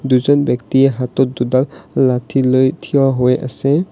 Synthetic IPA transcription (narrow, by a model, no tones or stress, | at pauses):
d̪uzɔnbjɔk̚t̪iɛɦat̪ɔt̪̚d̪ud̪alːat̪ʰilojt̪ʰijɔɦojʔa̰sɛ